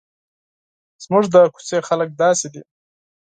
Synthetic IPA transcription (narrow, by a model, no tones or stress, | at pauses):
z̥muʐd̪əku̥sexalək̚d̪ɑsed̪i